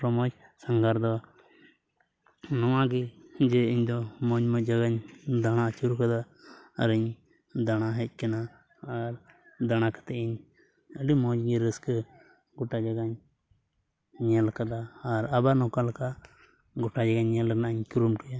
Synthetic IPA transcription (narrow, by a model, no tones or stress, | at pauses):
pɾɔmɔd͡ʒsaŋɡaɾd̪ɔ | nɔwãɡɛd͡ʒɛiɲd̪ɔmɔɲmɔd͡ʒaɡaɲd̪aɽ̃at͡ʃuɾukad̪a | əɾəɲ | d̪aɽ̃aɦɛc̚ˀkɛnaː | ɾ | d̪aɽ̃akḁt̪ɛiɲ | əɖimɔd͡ʒɡiɾəskɛ | ɡɔʈad͡ʒaɡaɲ | ɛlkad̪aːɾabanɔkalka | ɡɔʈad͡ʒaɡaɲːɛlnaʔɲkuɾumkija